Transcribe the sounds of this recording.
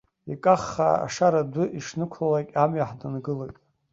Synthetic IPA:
ikʼaχːa̰a̰ʂaɾadʷʊʔiʂnɨkʷʰlalakʲʼamjaħdanɡɨlajtʼ

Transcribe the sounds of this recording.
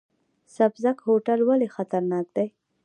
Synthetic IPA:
sabzakhoʈalwalexat̪aɾnɑk̚d̪aj

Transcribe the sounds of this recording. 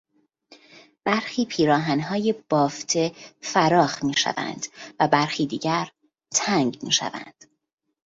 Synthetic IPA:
b̥æɾxiːpʰiːɾɒːɦænɦɒːje̞b̥ɒːft̪ʰe̞fæɾɒːxmiːʃæ̰væ̰nd̪̥væbæɾxiːd̪iːɟæɾ | t̪ʰæŋɟmiːʃæ̰væ̰nd̪̥

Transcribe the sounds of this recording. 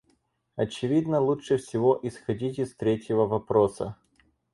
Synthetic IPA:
ɐt͡ɕɪvʲid̪nəlˠuʂɨfsʲɪvoʔɪsxɐdʲitʲɪst̪ɾʲetʲjɪvəvɐpɾosə̰

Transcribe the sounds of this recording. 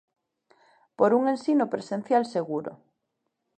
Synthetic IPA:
poɾuŋẽnsinopɾesen̟θjalseɣuɾʊ̰

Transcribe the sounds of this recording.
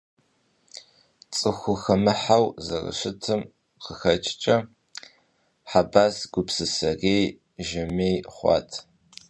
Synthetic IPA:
t͡sʼɨxʷʊxɐmɨħawzɐrɐ̰ɕɪtʰɨm | qəxɐt͡ʃʼt͡ʃʼɐ | ħabaːsɡ̥ʷʊpsɨsɐreːj | ʒɪmeːjχʷɑ̰ːtʰ

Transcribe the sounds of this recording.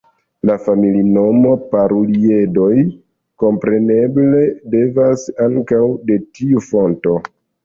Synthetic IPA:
lafamilino̞mo̞paɾulie̞do̞j | ko̞mpɾe̞ne̞ble̞de̞vasaŋkawde̞tiufo̞nto̞

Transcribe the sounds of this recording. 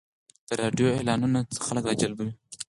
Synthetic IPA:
d̪̥əɾɑɖijoelɑnunat͡sə̥xaləkɾɑd͡ʒalbəwi

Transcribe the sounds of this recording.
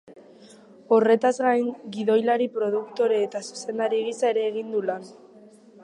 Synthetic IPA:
o̞re̞t̪azɣajŋɡiðo̞jlaɾipɾo̞ð̞ukt̪o̞ɾeːt̪asu̥se̞nd̪aɾiɣisae̞ɾe̞ːɣ̞ind̪ulan

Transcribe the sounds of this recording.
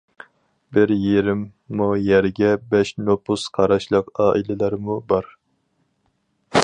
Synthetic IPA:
bɪɾjeɾɪmːujæɾɡʲɛbɛʃnopusqʰɑɾɑʃlˠəqɑːʔilɪlæɾmubɑɾ

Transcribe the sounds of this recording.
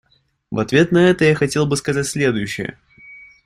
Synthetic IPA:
vɐt̪vʲe̞t̪nɐɛt̪əjaxɐtʲe̞lˠbɨskɐzatʲsʲlʲe̞d̪ʊjʉɕːɪjə̰

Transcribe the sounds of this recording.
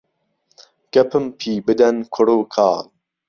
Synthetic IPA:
ɡ̥ɐpʰɨmpʰiːbɨd̪ɐnkʰʊɽuːkʰa̰ːl

